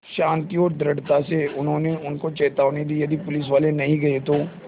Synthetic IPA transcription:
ʃãːnt̪iɔːɾd̪ɾɐɽt̪aseʊnɦõːneʊnkot͡ʃɛːt̪aːʋnid̪iːjɐd̪ipʊlɪs̬ʋaːlenɐɦĩɡɐet̪oː

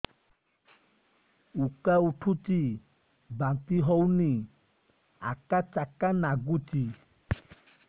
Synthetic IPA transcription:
ukauʈʰut͡ʃi | bãt̪iɦɔwni | a̰kat͡ʃakanaɡut͡ʃi

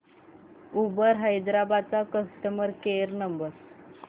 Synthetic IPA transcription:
ubəɾɦəjd̪ɾabad̪̚t͡sakəsʈəməɾkeɾnəmbəɾ

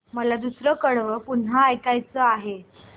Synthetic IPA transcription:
məlad̪usɾəkəɽʋəpunɦaːjkajt͡səaɦe

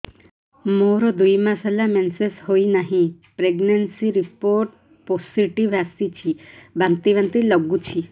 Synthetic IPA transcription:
moɾɔd̪ujmasalamensesɦoinaɦĩ | pɾeɡnensiɾipoɾʈ̚ | posiʈiʋasit͡ʃʰibant̪iʋant̪ilɔɡut͡ʃʰi

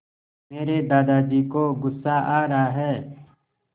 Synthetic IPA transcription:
meːɾed̪aːd̪aːd͡ʒiːkoɡʊsːaʔaːɾaɦɛː

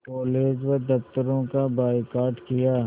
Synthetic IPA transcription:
kɔːleːd͡ʒʋəd̪ɐft̪əɾõkabaːɪkaːɾʈkɪjaː

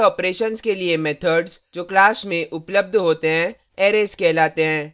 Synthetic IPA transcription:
ɔːpɾeːʃənskeliemɛːt̪ʰəɖzd͡ʒoːklaːsmẽʔʊpləb̚d̪ʱɦoːt̪eɦɛ̃ | eːɾeːskɛːlaːt̪eɦɛ̃ː

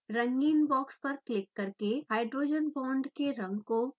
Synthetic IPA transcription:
ɾɐ̃ŋɡiːnbɔːkspɐɾklɪkːɐɾkeɦaːɪɖɾoːd͡ʒənpɔ̃ːɳɖkeɾɐ̃ŋɡko

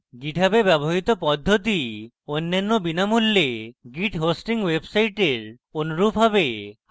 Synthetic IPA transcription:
ɡiʈʰabebɛboɦit̪opɔd̪ʱːot̪̬i | onːanːobinamulːeɡiʈɦosʈiŋwebsajʈeɾ | onoɾubʱɦabe

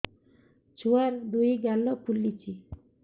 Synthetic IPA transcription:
t͡ɕuaɾd̪uiɡalːɔkʰulːit͡ɕi

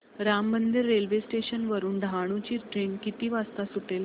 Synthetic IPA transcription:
ɾamːənd̪iɾːelʋesʈeɕənʋəɾuːnɖʱaɽ̃ũt͡ɕiːʈɾeɳkit̪iːʋast̪asuʈel

